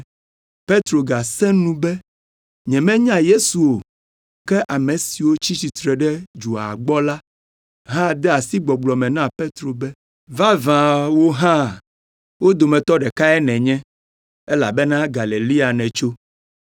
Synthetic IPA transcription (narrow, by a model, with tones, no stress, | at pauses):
pe˦t̪ɾo˨ɡa˨sɛ̃˦nũ˦bɛ˦ | ɲɛ̃˨mɛ̃˦ɲã˦je˦su˨wo˨ | kɛ˦ʔa˨mɛ̃˨si˨wo˦t͡ɕi˦t͡ɕi˨t̪ɾɛ˨ɖɛ˦d͡ʒu˨a̰˨ɡ͡bɔ˦la˦ | ɦã˦d̪ɛ˦a˨si˦ɡ͡bɔ˨ɡ͡blɔ˨mɛ̃˨nã˦pe˦t̪ɾo˨bɛ˦ | vã˦vã˨wo˦ɦã˦ | wo˦d̪o˨mɛ̃˨t̪ɔ˦ɖɛ˨ka˦ɛ˦nɛ̃˨ɲɛ̃˦ | ɛ˦la̰˨bɛ˦nã˦ɡa˨le˨li˦a˨nɛ̃˨t͡ʃo˦